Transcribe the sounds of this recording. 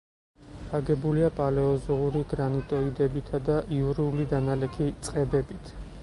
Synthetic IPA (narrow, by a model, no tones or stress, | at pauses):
aɡɛbuliapʼalɛɔzɔuɾiɡɾanit̪ʼɔid̪ɛbit̪ʰad̪aʔiuɾiulid̪analɛkʰit̪sʼqʼɛbɛbit̪ʰ